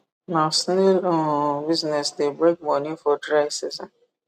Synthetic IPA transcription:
nãsnelõbiznɛsdebɾek̚mɔnifɔdɾaɪsizɔ̃n

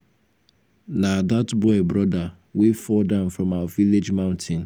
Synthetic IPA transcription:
nadatbɔɪbɾɔda | wefɔldãʊ̃nfɾɔ̃maʊaviled͡ʒmaʊ̃ntʰɪ̃n

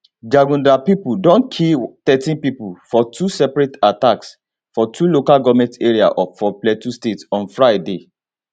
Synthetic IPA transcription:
d͡ʒaɡũndapipudɔ̃nkʰit̪ɛtĩnpipufɔtʰusɛpɹetataks | fɔtʰulokalɡɔvmɛ̃nteɹia̰ʔɔfɔplɛtustetɔ̃nfɹajde

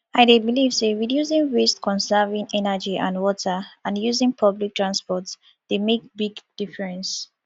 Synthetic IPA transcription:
aɪdebilivseɹidjusĩŋwestkʰɔ̃nsɛvĩŋɛnəd͡ʒiʔã̰nwɔtʰəãnjuzĩŋpʰʌblik̚tʰɹãnspɔts | d̥emek̚biɡd̥ifɹɛ̃ns

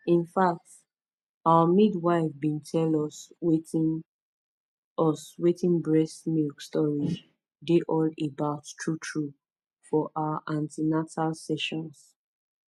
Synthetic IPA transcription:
ĩnfak̚t | awəmidwaɪfbĩntʰɛlɔs | ɔswetĩnbɹɛsmikstɔɹi | deʔɔlebaʊtːutʰɹu | fɔʔawaʔãntinatalsɛʃɔ̃ns

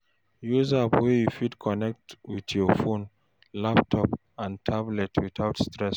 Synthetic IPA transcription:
juzapwɛjufidkʰɔnɛk̚twiðjɔfõn | laptʰɔp | ãntʰablɛtʰwiθaʊtstɹɛs

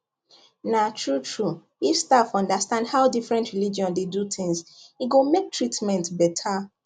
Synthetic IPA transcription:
natʰɹutʰɹu | ifstafɔ̃ndastãndhaʊdifɹɛ̃ntɹilid͡ʒiɔ̃ndedutɪ̃ŋziɡomek̚tʰɹitmɛ̃ntbɛtʰa

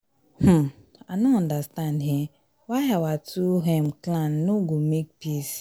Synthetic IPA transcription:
h̩anoɔ̃ndastandɦe | waɦawatuɦem̩klannoɡomek̚pis

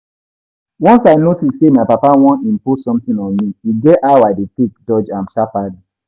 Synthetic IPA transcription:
wɔ̃nsaɪnotisːemaɪpapawɔ̃nĩmpusɔ̃mtĩnɔ̃nmiiɡɛʔawaɪdetek̚dɔd͡ʒãnʃapadi

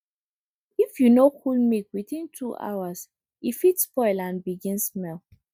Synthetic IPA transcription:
ifjunokʰulmikwiθĩntʰuʔa̰was | ifitspɔɪlãnbiɡĩnsːmɛl

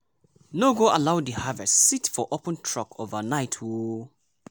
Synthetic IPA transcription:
noɡoʔalaʊdihavɛssitfɔʔopə̃ntʰɹ̥ɔkʰovənaɪtʰwu

